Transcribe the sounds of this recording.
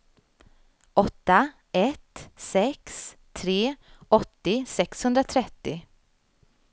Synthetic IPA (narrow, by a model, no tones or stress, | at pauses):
ʔɔt̪ːa | ɛt̪sɛksʰ | ɾeːɔt̪ːɪsɛkshɵnd̪ɾat̪ʰɾɛt̪ːɪ